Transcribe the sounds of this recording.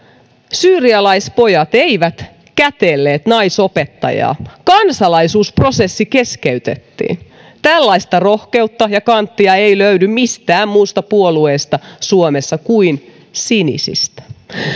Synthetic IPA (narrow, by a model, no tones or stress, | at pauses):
syːriɑlɑispo̞jɑt̪eiʋæt̪ | kæt̪eːlːeːt̪nɑisopet̪ːɑ̰jɑ̰ːkɑnsɑlɑisuːspro̞sesːikeskeyt̪et̪ːḭːn | t̪ælːɑist̪ɑro̞hke̞ut̪ːɑjɑkɑnt̪ːiɑeiløydymmist̪æːmmuːst̪ɑpuolueːst̪ɑsuomesːɑkuin | sinḭsḭst̪æ̥